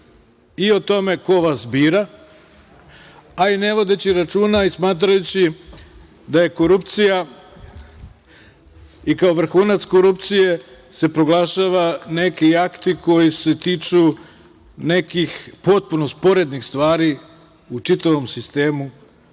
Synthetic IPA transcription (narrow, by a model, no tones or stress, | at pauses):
io̞t̪o̞me̞ko̞ʋasbiːɾa | aine̞ʋo̞d̪e̞t͡ɕiɾat͡ʃuːnaismaːt̪̬ɾajut͡ɕi | d̪aje̞ko̞ɾupt̪sija | ikaoʋr̩xuːnat̪sko̞ɾup̚t̪sije̞ | se̞pɾo̞ɡlˠaʃaʋane̞kiakt̪iko̞jise̞t̪iːt͡ʃu | ne̞kixpo̞t̪̚puno̞spo̞ɾe̞d̪nixst̪ʋaːɾi | ut͡ʂit̪aʋo̞msist̪e̞ːmu